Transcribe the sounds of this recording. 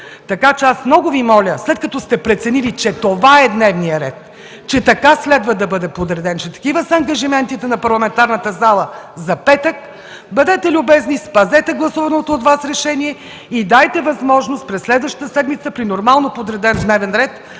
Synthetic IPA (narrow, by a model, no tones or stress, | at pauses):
t̪ɐkat͡ʃɛasmnɔɡʊvimɔlʲəslɛt̪̚kɐt̪ɔst̪ɛpɾɛt̪sɛnilit͡ʃɛt̪ovaɛd̪nɛvnijəɾɛ̰t̪ | t͡ʃɛt̪ɐkaslɛd̪vɐd̪ɐbɤd̪ɛpod̪ɾɛd̪ɛnt͡ʃɛt̪ɐ̥kʲivəsɐːŋɡɐʒimɛnt̪it̪ɛnɐpɐɾlˠɐmɛnt̪aɾnət̪əzalˠəzɐpɛt̪ək | bɐd̪ɛt̪ɛlʲʊbɛznispɐzɛt̪ɛɡlˠɐsuvɐnot̪oːt̪vasɾɛʃɛniɛ | id̪ajt̪ɛvɐzmɔʒnost̪pɾɛsːlɛd̪vəʃt̪ə̥t̪əsɛd̪mit̪səpɾinoɾmalˠnopod̪ɾɛd̪ɛnd̪nɛvɛnɾɛt̪